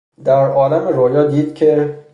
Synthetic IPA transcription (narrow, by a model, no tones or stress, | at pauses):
d̪aɾɒːlamɪɾojɒd̪id̪kʲʰɪ